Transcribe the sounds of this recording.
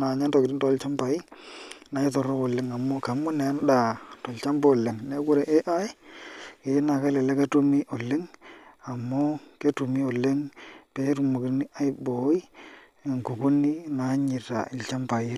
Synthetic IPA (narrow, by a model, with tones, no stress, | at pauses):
na˨ɲa˦ntɔ˨kɪ˨ɾi˦ntɔ˨˦lt͡ʃa˦mpa˨i˦na˨i˦tɔ˨ɾo˦ko˨lɪ˦ŋa˨mo˦ka˨mʊ˦nɛ˨˦nda˨tɔ˨lt͡ʃa˦mbo˦˨lɪ˨ŋne˦kʊ˦ɾe˨ʔe˦ʔa˦jke˨˦na˨ka˦lɛ˨lɛ˦ke˦tu˦mi˦ʔo˨lɪ˦ŋa˨mo˦ke˦tu˨mi˦o˨lɪ˦ŋpe˦ɾu˨mu˨kɪ˨˦ni˦a˦jbo˨˦i˦˨ | ŋku˨ku˦ni˦na˨˦ɲɪ˨ta̰˨ɪ˨lt͡ʃa˦mpa˨i˦